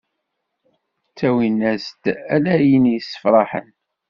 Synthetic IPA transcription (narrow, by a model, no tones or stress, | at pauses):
t͡sːæwinæzt̪ælæjinjsːə̥fɾˤɑħə̰n